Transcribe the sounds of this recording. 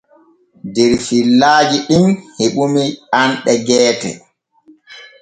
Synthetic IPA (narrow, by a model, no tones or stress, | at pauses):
dɛɾfilːaːd͡ʒiɗimheɓumianɗɛɡɛːtɛ̰